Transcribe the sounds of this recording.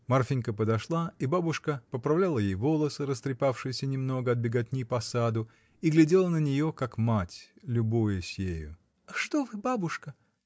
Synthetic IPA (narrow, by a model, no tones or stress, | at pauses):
mɐrfʲinʲkəpəd̪ɐʂlˠaibabʊʂkəpəpɾɐvlʲalˠəjejvo̞lˠəsɨɾəst̪ɾʲɪpafʂɨjɪsʲənʲɪmno̞ɡəɐd̪̚bʲɪɡat̚ʲnʲɪjpɐsad̪ʊ | iɡlʲɪdʲe̞lˠənənʲɪjo̞kakmatʲlʲʊbojɪsʲjejʊ̰ | ɐʂt̪ovɨbabʊʂkə